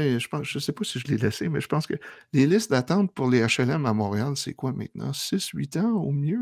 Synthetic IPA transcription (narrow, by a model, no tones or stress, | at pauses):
ɛʒə̥pɑ̃ʒ̥əsepɔsiʒəlelɛsemɛʒə̥pɑ̃skəlelɪst̪̚d̪at̪ɑ̃ːt̪̚pʊʁleaʃɛlɛmamɔ̃ːʁealsɛ̰kwamɛ̰̃t̪̚nɑ̰̃sɪsɥit̪ɑ̃omjø